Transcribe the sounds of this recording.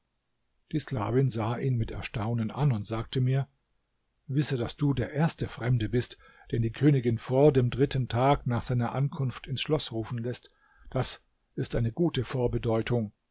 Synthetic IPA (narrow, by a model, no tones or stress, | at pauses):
d̥iːsla̰ːvɪnzaːʔiːnmɪtɛ̰ɐʃtaʊnənʔa̰nʊntz̥aːk̚təmiːɐ | vɪsədasd̥uːdeːɐʔeːɐstəfʁ̥ɛmdəbɪst | d̥eːɐdiːkʰøːnɪɡɪnfoːɐdeːmdʁɪtn̩tʰaːknaːχz̥aɪnɐʔankʰʊnftɪnsʃlɔsʁuːfn̩lɛst | d̥as | ʔɪstʔaɪnəɡuːtəfoːɐbədɔʏtʰʊŋ